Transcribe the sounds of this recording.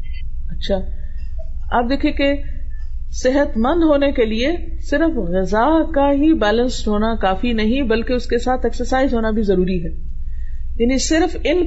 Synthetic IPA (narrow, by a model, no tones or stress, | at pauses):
ɐtːʃʰaː | a̰ːp̚d̪eːkʰiẽke | sɪɦət̪mɐ̃nd̪ɦoːnekelie | sɪɾfɣɪzakaɦibɛːlə̃nsʈʰoːñakaːfinɐɦĩbɐlkeʊskesaːt̪ʰɛksəɾsaːɪzɦoːnabʱizɐɾuːɾiɦɛː | jɐnĩsɪɾfɪn